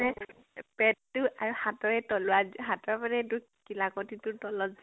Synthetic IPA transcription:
ɛ | pɛttːʊʔaɹuhatɔɹɛtɔlʊaɦatɔɹamanɛtʊ | kilakɔtitʊtɔlɔz

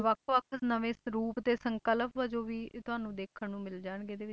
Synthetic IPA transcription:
ʋəkʰʋək̪ʰnəʋẽːɾuːpt̪eːsəŋkələpʋəd͡ʒoːʋiːt̪ʊɦaːnũːd̪eːkʰəɳːũːmɪld͡ʒaːɳɡeːd̪eːʋɪt͡ʃ

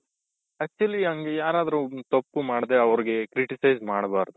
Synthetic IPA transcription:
ɐk̚t͡ʃuɐliɦɐŋɡejaːɾaːd̪ɐɾut̪opːumaːɽd̪eɐʋɐɾiɡe̞kɾiʈisɐjzmaːɽbaːɾd̪u

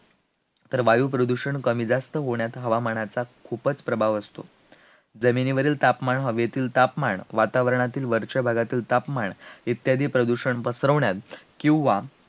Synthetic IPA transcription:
t̪əɾʋajuːpɾəd̪uɕəɳkəmiːd͡zast̪əɦoɳjat̪ɦəʋamaɳat͡sakʰupət͡spɾəbʱaʋəst̪o̰ | d͡zəminiʋəɾiːlt̪apmaɳɦəʋjet̪iːlt̪apmaɳʋat̪aʋəɾɳat̪iːlʋəɾt͡ɕəbʱaɡat̪iːlt̪apmaɳit̪jad̪ʱiːpɾəd̪uɕəɳpəsɾəʋɳjat̪kĩw̃ʋa

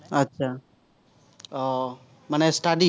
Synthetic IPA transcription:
ətːʃʰaː | mənesʈaɖi

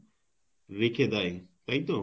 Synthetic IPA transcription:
ɾekʰed̪ajt̪aɦit̪o

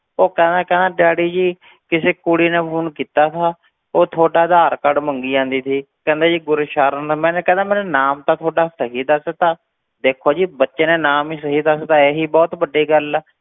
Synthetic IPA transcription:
oːkɛ̃ːnd̪aːkɛ̃ːnd̪ãːɖaːɽiːd͡ʒiː | kɪseːkʊɽiːnẽːpʰuːnkiːt̪aːt̪ʰaː | oːt̪ʰoːɖaːd̪aːɾkəɖməŋɡiːãːnd̪iːt̪ʰiː | kɛ̃ːnd̪eːd͡ʒiːɡʊɾːʃaːɾənːmɛ̃ːnːkɛ̃ːnd̪aːmɛ̃ːneːnaːmt̪ãːt̪ʰoːɖaːsəɦiːd̪əst̪ãː | d̪eːkʰːoːd͡ʒiːbətːʃeːnẽːnaːmiːsəɦiːd̪əst̪ãːeːɦiːbɔːt̪bəɖiːɡəlː

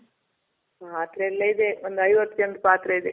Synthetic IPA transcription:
paːt̪ɾɐɛlːɐid̪eond̪ɐjʋɐt̪ːjɐnd̪upaːt̪ɾɐid̪e

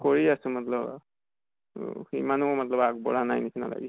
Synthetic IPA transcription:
kɔɹiasəmʌt̪lʌb | himanumʌt̪lʌbak̚bɔ̰ɽanajnisʰina̰la̰ɡi

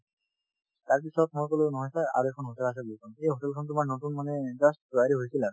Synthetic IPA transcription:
taɹp̬isɔt̚mojkolʊnɔɦɔjsaa̰ɹuekʰɔnɦotɛlas̬ɛbulikʰɔnejɦotɛlkʰɔntumaɹnotunmanɛzastduaɹiɦojsila

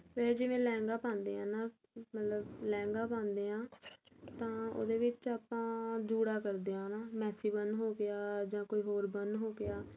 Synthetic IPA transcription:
ʋed͡ʒɪʋẽːlɛ̃ːŋɡaːpãːnd̪ḛːɦãːnaː | mət̪ləblɛ̃ːŋɡaːpãːnd̪eːãːt̪ãːo̰ːd̪eːʋɪt͡ʃaːpãːd͡ʒuːɽaːkəɾd̪eːãːnaːmɛːsiːbənɦoːɡɪaːd͡ʒãːkoːiːɦoːɾbəndɦoːɡɪaː

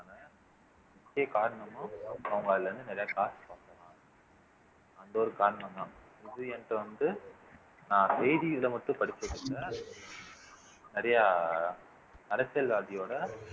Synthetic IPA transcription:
aːnaː | ɪkːɐjɐkaːɾɐɳɐmʊ̃ɐʋɐŋɡaːlɾɯnd̪ɯnɐɾɐjaːkaːsʈpaːk̪ɐlãː | ɐnd̪oːɾɯkaːɾɐɳɐ̃md̪ãː | ɪðɯɛnʈːɐʋɐnd̪ɯ | nãːsɛjðiɪlɐmɐʈːʊ̃pɐɽɪt͡ʃːɐɾɯʈːɐ | nɪɾɐjaː | nɐɾɐsɪjɐlʋaːðɪjoːɽɐ

